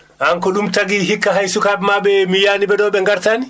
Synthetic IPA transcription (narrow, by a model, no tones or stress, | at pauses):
haŋkɔɗumtaɡiɦikːaɦajsukaɓmaɓɛmijaːniɓɛɗɔɓɛŋɡaɾtani